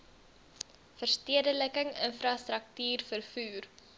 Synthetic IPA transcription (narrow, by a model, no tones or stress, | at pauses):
fərstiədələkəŋə̰nfrɐstrək̚tyːrfərfuːr